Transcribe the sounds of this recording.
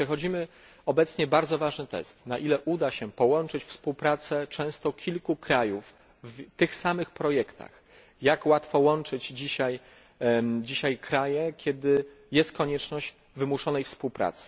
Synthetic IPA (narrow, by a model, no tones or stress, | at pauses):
pʂɛxɔd͡ʑimɘ | ɔbɛt̪sɲɛbaɾd̪zɔvaʐnɘt̪ɛ̰st̪naʔilɛʔud̪aɕɛpɔwɔnt͡ʂɘt͡ɕfspuwpɾat̪sɛt͡ʂɛ̃w̃st̪ɔkʲʰilkukɾajuf | vt̪ɘxsamɘxpɾɔjɛkt̪a̰x | jakwat̪fɔwɔnt͡ʂɘd͡ʑd͡ʑiɕaj | d͡ʑiɕajkɾajɛkʲjɛd̪ɘ | jɛst̪̚kɔɲɛt͡ʂnɔʑd͡ʑ | vɘmuʂɔnɛjfspuwpɾa̰t̪sɘ̥